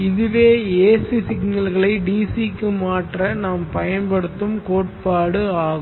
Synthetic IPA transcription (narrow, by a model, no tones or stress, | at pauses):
ɪðɯʋeːeːsisɪɡnɐlɣɐɭɐɪɖiːsikːɯmaːʈrɐnaːmpɐjɐnpɐɽɯt̪ːɯmkoːʈ̚paːɽɯaːɣ